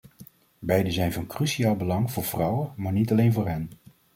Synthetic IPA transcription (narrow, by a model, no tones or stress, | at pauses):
bɛjdəzɛjnvɑnkrysiaːlˠbəlɑŋvʊːɹv̥rɑwəmaːɹnitɑlejnvʊːɹɦɛn